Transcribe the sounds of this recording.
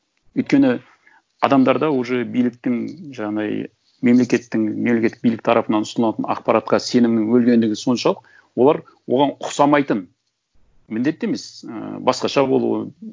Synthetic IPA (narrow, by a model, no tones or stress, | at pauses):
ɵjt̪kʲe̞nɪ | ɑ̰d̪ɑmd̪ɑɾd̪ɑwoʒebijlɪk̚t̪ɪŋʒɑɑd̪ɑ̰j | me̞mle̞kʲe̞t̪ːɪŋme̞mlekʲeːɪbijlɪk̚t̪ʰɑɾɑpənɑnʊsnɑt̪ənɑ̰qpɑɾɑt̪̚qɑse̞nɪŋnɪŋwɵlɡʲe̞nd̪ɪɡʲɪso̞nʃɑlˠəq̚ | wo̞lˠɑɾ | wo̞̰lʁɑnʊqsɑmɑjt̪ən | mɪnd̪e̞t̪ːe̞me̞sə̰bɑsqɑʃɑbo̞̰lˠṵwə̰